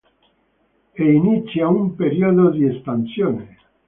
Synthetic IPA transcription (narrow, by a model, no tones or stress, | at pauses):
einit̪sjaumpeɾiod̪od̪iesp̪ansjoːne